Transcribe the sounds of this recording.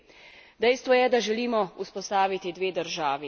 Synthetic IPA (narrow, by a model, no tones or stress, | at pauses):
d̪ɛjst̪ʋɔjɛd̪aʒɛliːmɔuspɔst̪aːʋit̪id̪ʋeːd̪əɾʒaːʋi